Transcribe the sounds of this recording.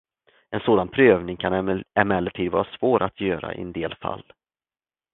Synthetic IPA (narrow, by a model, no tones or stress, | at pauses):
ɛnsoːd̪anpʰɾøːvnɪŋkʰanɛmɛlːəʈʰiːd̪vɑ̰ːɾasvoːɾʔat̪ʰjøːɾa̰ʔɪ̰ɛnd̪eːlfa̰lː